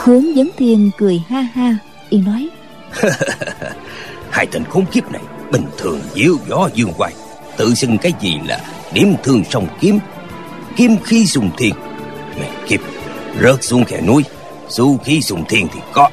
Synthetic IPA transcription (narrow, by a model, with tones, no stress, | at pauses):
xɨ˨˦əŋzə˨˦ŋ͡mt̪ʰi˧˩ənkɨ˨˩əjhaː˧haː˧ | ʔi˧˩nɔ˨˦j | haː˧jt̪ʰi˨˩ŋ̟xo˨˦ŋ͡mki˦˥əp̚na̰˨˩jɓï˨˩ŋ̟t̪ʰɨ˨˩əŋzi˨˦əwzɔ˨˦zɨ˧əŋkwaː˧j | t̪ɨ̰˧˨sɨ˧ŋkaː˨˦jzi˨˩la̰ː˨˩ | ɗi˨˦əmt̪ʰɨ˧əŋsə˧wŋ͡mki˨˦˥əm | ki˧˥əmxi˧sʊ˧˩ŋ͡mt̪ʰi˧əŋ | mɛ̰˨˩ki˦˥əp̚zə˦˥t̚su˧˦əŋkɛ˧˩nu˧əj | su˧xi˧sʊ˨˩ŋ͡mt̪ʰi˧˩əŋt̪ʰi˨˩kɔ˨˦